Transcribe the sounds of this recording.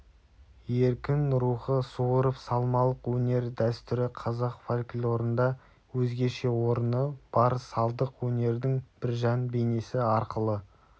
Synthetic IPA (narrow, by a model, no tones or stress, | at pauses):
je̞ɾkʲɪnɾuχəsuwəɾəpsɑlˠmɑlˠəqwɵne̞ɾd̪æst̪ʏɾɪqʰɑzɑqfalʲkʲɪlʲo̞ɾənd̪ɑ | wɵzɡʲe̞ʃe̞wo̞ɾənəb̥ɑɾsɑlˠd̪əqwɵne̞ɾd̪ɪŋb̥ɪɾʒɑnbejne̞sɪɑɾqəlˠə